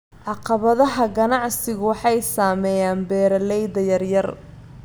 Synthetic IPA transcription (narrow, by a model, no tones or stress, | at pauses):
ʕɑqɑβɐðɐɦɐɡɐnɑʕsɪɣʊwɑħɑjsaːmɛːjaːnbɛːɾɐlɛjðɐjɐrjɐr